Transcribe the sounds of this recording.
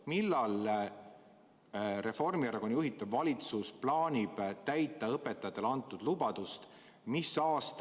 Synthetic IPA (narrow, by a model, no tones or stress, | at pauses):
milːɑl | ɾe̞fo̞rmiɑɾɑɡ̥o̞njuɦit̪ːˑɑvvɑlʲit̪susplɑːnʲib̥t̪æjt̪ˑːɑɤpːe̞t̪ːˑɑjɑt̪ːˑelɑnt̪ːˑud̪lubɑd̪̥ust̪ | misɑːst̪